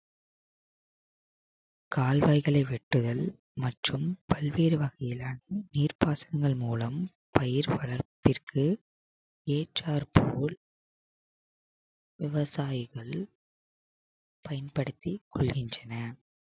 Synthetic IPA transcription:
kaːlʋɐɪɣɐɭɐɪʋɛʈːɯðɐl | mɐʈrɯmpɐɭʋeːɾɯʋɐɣɐjɪlaːnɐniːrpaːsɐnɐŋɡɐɭmuːlɐm | pɐjɪɾʋɐɭɐɾpɪrkʰɯ | eːʈraːɾpʰoːl | ʋɪʋɐsaːjɪɣɐɭ | pɐjɐnpɐɽɯt̪ːikʰɔɭɣɪndrɐnɐ

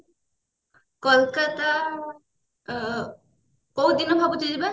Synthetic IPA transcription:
kɔlkata | kowd̪inɔbʱabɔtidiba

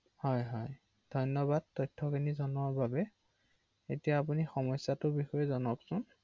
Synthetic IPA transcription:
hɔjɦɔj | d̥ʱɔjnɔbad̚tɔjtʰːɔkʰinizɔnɔɹbabɛ | etijaːp̬unixɔmɔjsːatʊbixɔjɛzɔnɔksʊn

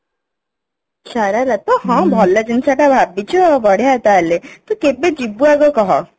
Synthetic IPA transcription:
saɾalat̪ɔhɔ̃bʱɔlːad͡ʒinsaʈabʱabit͡ʃubɔɽ̤jat̪alet̪ukebed͡ʒibuaɡɔkɔɦɔ

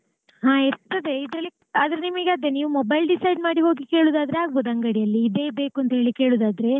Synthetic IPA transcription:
ɦaːiɾt̪ɐd̪e̞id̪ɾɐlːi | aːd̪ɾenimiɡaːd̪ːeniːʋumɔbɐjlɖisɐjɖmaːɽiɦo̞ːɡike̞ːɭuːd̪aːd̪ɐɾeaːɡboːd̪ɐŋɡɐɽijɐlːiːd̪eːbeːkuɐnt̪ɐɦe̞ːɭikeːɭuːd̪aːd̪ɾe̞

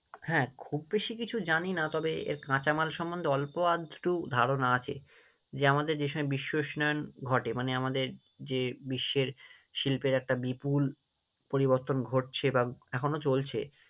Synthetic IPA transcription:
hɛ̃ːkʰubːeʃikit͡ɕʰud͡ʑaninat̪ɔbeḛɾkãt͡ɕamalʃɔmːond̪eɔlpoad̪ʱʈud̪ʱaɾonaat͡ɕʰḛ | d͡ʑeamad̪eɾd͡ʑeʃɔbiʃːoʃnaonɡʱɔʈemaneamad̪eɾ | d͡ʑebiʃːeɾ | ʃilpeɾɛk̚ʈabipul | poɾiboɾt̪onɡʱoʈ̚t͡ɕʰebaɛkʰonot͡ɕolt͡ɕʰe

